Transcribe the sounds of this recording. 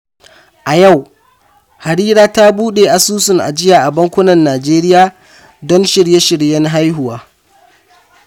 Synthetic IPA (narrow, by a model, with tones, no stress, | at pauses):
ʔa˨ja˦˨w | ha˨ɾiː˦ɾaː˦ta˦buː˦ɗeː˨ʔa˨suː˦sʊ˨ŋʔa̰˨d͡ʒɪ˦jaː˨ʔa˨bɐ˦ŋkʷʊ˦nɐ˨nːaː˨d͡ʒeː˦ɾɪ˦jaː˨ | dɔ˦nʃɪ˨ɽje˦ʃɪ˨ɽjɛ˦nɦa˦jɦʊ˨waː˦